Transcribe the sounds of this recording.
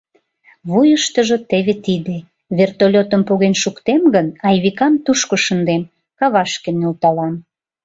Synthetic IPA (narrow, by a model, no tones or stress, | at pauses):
βujəʃt̪əʒə̆t̪eβet̪id̪e | βert̪olʲot̪əmpoɣenʃukt̪emɡənɑjβikɑmt̪uʃkoʃənd̪em | kɑβɑʃkenːult̪ɑlɑn